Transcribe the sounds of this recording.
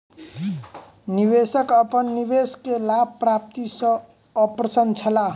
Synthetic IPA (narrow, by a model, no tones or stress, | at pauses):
nibesʌkʌpʌnːibeskelab̚prap̚t̪isʌː | prʌsʌnt͡sʰʌla